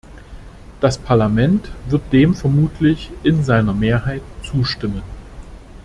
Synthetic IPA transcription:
d̥aspʰaɐlamɛntv̥ɪɐt̚d̥eːmfɛɐmuːtʰlɪçʔɪnzaɪnɐmeːɐɦaɪtt͡suːʃtɪmən

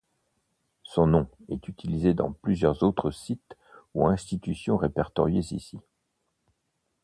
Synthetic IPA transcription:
sɔ̃nɔ̃ɛt̪yt̪ʰilized̪ɑ̰̃plyzjœʁzot̪χəsit̪ | uɛ̃st̪it̪ysjɔ̃ʁepɛʁt̪ɔʁjezḭsi

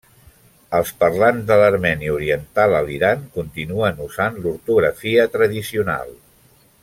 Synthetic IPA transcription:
əlˠspərlanzd̪ələɾmɛniəuɾiənt̪alˠəliɾaŋkunt̪inuənuzanluɾt̪uɣɾəfiət̪ɾəðisiuna̰lˠ

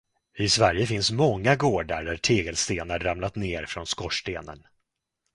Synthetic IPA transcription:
ɪsvæɾjəfɪnsmɔŋːaɡoːɖa̰ɾɖæʈʰeːɡəlst̪eːnaɾːamlat̪neːɾfɾɔnskɔʂʈeːnə̰n

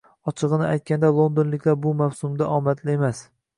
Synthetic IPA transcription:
ɒt͡ʃʰɨʁɨnɪajt̪̚kʲand̪alˠo̞nd̪onlɪkʲlaɾbʊmawsʊmd̪aʔɒmat̪lɪemas

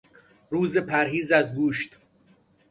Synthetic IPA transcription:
ɾuːzepʰæɾɦhiːzæzɡuːʃt̪

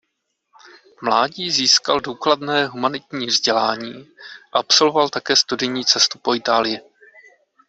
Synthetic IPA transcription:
mlaːɟiːziːskalduːkladnɛːɦumanɪt̪ɲiːvzɟɛlaːɲiːʔaapso̞lvovalt̪akɛːst̪udɪjɲiːt͡sɛst̪upo̞ɪt̪aːlɪjɪ

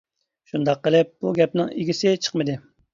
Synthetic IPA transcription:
ʃund̪ɑqːəlˠɪp̚b̥uɡʲɛp̚nɪŋiɡʲisɪt͡ʃʰə̥qmɨd̪ɪ

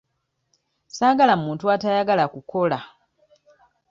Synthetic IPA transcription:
saːɡalamuːntuatajaɡalakukʰo̞la

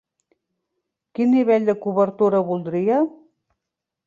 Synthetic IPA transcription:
kinːiβeʎʲd̪əkuβəɾt̪uɾəβulˠd̪ɾiə

